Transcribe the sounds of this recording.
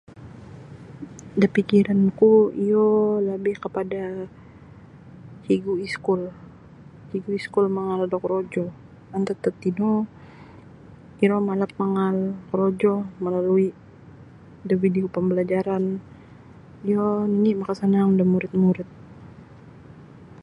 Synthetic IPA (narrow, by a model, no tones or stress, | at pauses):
dapikiɾankuijolabɪhkəpada | hiɡuiskʊl | hiɡuiskʊlməŋaldɔkɾod͡ʒɔ | ant̪ət̪ət̪ino | iɾomalap̚məŋalkɾod͡ʒɔməlalui | dəvideopəmbəlad͡ʒaɾan | ijoninimakasanaŋudamuɾɪt̪̚muɾɪt̪̚